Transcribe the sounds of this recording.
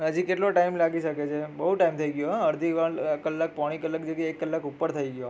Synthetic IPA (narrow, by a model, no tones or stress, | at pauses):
ɦəd͡ʒikeʈloʈaimlaɡiʃəket͡ʃʰebəɦuʈaimt̪ʰəiɡjoɦəɾd̪ʱiʋəkəlːak̚pɔɽ̃ikələk̚d͡ʒeʈiekːəlːakupəɾt̪ʰəiɡjo